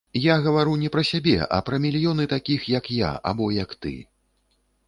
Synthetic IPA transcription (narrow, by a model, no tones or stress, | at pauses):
jaɣɐvaɾunʲɛpɾɐsʲabʲɛ̰ʔɐ̰pɾɐmʲilʲjɔnɨt̪akʲixjɐkja̰a̰bɔjɐkt̪ɨ̰